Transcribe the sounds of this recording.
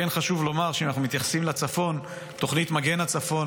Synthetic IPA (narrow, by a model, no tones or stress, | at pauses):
enχaʃuvlo̞maʁʃeimanaχnumit̪jaχḁsimlat͡safo̞n | t̪o̞χnit̪maɡe̞nat͡safo̞n